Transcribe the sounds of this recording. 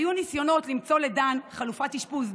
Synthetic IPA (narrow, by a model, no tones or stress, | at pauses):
junisjo̞no̞t̪limt͡so̞le̞danχalufatiʃpus